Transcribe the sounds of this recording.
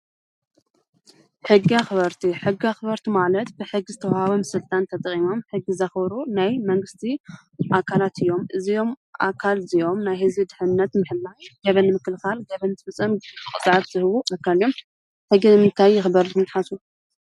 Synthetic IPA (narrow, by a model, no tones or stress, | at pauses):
ħɨɡːiaxɨβɐɾt̪ʰiħɨɡːiaxɨβɐɾt̪ʰimalɐt̪bɨħɨɡːɨzɨt̪ʰɐwhaβomɨsɨlt̪ʼant̪ʰɐt̪ʼɐχʼimo̞mħɨɡːizɐxbɾunajmɐŋɡɨst̪ʰi | ʔakʰalat̪ʰɨjːo̞mʔɨzijo̞mʔa̰kʰalzijo̞mnajhɨzbid̪ɨħɨnːɐt̪mɨħɨlːaɡɐβɐnːɨmɨkɨlkalɡɐβɐnt̪ʰɨfɨsʼɐmɨxʼɨsʼʕaɾz̥ɨhɨβuʔakʰːaljom | ħɨɡːimɨnt̪ʰajːɪxɨbɐɾkʰɨmɨt̪ʼħasu